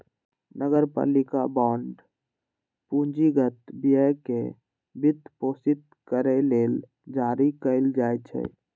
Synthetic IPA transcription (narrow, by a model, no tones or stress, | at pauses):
nəɡəɾpa̰ːlikabãːɳɖ | pũɲd͡ʒiɡət̪bijəke | bit̪poːsit̪̚ | kəɾɛleːl | d͡ʒaɾikəɪld͡ʒajt͡ʃʰɛ̰